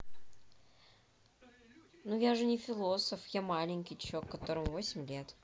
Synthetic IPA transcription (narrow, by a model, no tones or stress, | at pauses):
nujaʐɨnʲɪfʲɪlˠo̞səfjamalʲɪnʲkʲɪjt͡ɕːokːɐt̪o̞ɾəmʊvo̞sʲɪmʲlʲe̞t̪